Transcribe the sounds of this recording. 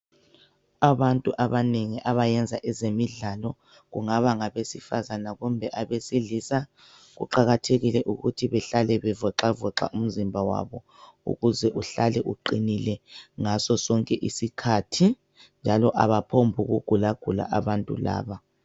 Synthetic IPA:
aβantʼuʔaβaneŋiʔaβajɛnd͡zʱaʔɛzemiɮalɔ | ɣṵŋaβaŋaβesifazanaɣumbʱɛʔaβesiɮisa | ɣṵǃaɣatʰeɣilɛʔuɣutʰiβɛɬalɛβɛvɔǁavɔǁa̰ʔum̩zimbʱawa̰βɔ | ṵɣuzɛʔuɬalɛʔuǃinilɛŋasɔsɔŋkʼɛʔisikʰatʰi | nd͡ʒʱalɔʔaβapʰombʱuɣuɡ̥ʱulaɡ̥ʱula̰ʔaβantʼṵla̰ːβa

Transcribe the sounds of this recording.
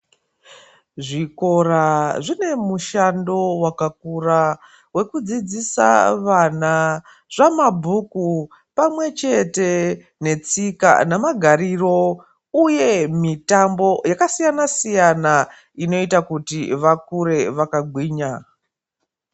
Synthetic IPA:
ʐiko̞raʐine̞muʃando̞wakak̚ura | we̞kud͡zid͡zisa̰ʋana | ʐ̥amabʱuku | pamwe̞t͡ʃe̞te | ne̞t͡sika̰namaɡʱaɾiro̞ | uje̞mitambo̞jakasijanasijana | ino̞itakutiʋak̚uɾe̞ʋakaɡʱwiːɲa

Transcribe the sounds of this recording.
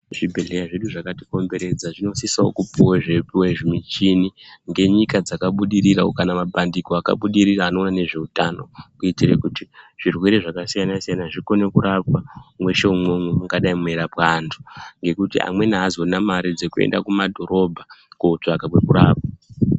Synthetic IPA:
ʐibʱe̞ɮejaʐe̞ɗuʐakati̥ko̞mbe̞ɾe̞d͡zaʐino̞sisao̰kupuweʐepiweʐimit͡ʃiniŋɡe̞ɲikad͡zakaɓuɗiɾiraokanamabʱandikoaka̰ɓuɗiriraːno̞ːnane̞ʐe̞utano̞̰kuitirḛkutiʐ̥irwe̞ɾe̞ʐakasijanasijanaʐiko̞nekuɾap̚wamwe̞ʃe̞umwemwemuŋɡaɗaimwe̞ɾapwantʰu̥ŋɡe̞kutiʔa̰mwe̞naazonamaɾid͡zekue̞̰nda̰kumadʱo̞ɾo̞bʱakout͡ʂakawekuɾaːp̚wa

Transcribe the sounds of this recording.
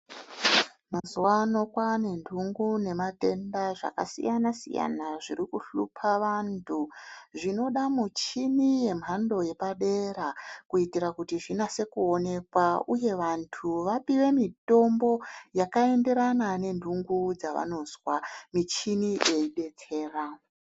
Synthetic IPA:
mazuwano̞kwane̞ndʱuŋɡune̞mate̞ndaʐa̰ka̰sḭjanasḭja̰naʐiɾikuɬupʰaʋantʰuʐino̞ɗamut͡ʃinije̞m̤ɦando̞je̞paɗe̞ɾakuitiɾakutiʐinase̞kuo̞ne̞kwauje̞ʋantʰuʋapiwe̞mito̞mbo̞jakae̞nde̞ɾanane̞ndʱuŋɡud͡zaʋa̰no̞zwamit͡ʃiniʔe̞iɓe̞t͡se̞ːra

